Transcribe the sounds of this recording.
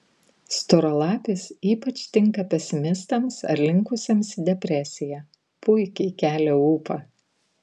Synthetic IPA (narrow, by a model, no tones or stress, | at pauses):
st̪ɔɾolˠɑːpʲɪsiːpɐt͡ʃʲt̪ʲɪŋkɐpʲɛsʲɪmʲɪst̪ɐmsɐ̰ɾʲlʲɪŋˑkʊsʲemsd̪ʲɛpʲɾʲɛsʲɪjæː | pʊɪkʲɛɪkʲæːlʲɛuːpɑ